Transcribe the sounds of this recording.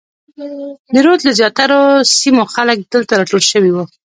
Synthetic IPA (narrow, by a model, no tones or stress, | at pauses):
d̪əɾot̪ləzjɑt̪aɾosimoxalək̚d̪əlt̪aɾɑʈolʃəwiwu